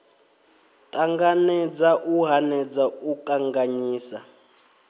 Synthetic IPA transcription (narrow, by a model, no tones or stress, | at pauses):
tʼaŋɡanɛd͡zaʔuɦanɛd͡zaukʼaŋɡaɲiːsa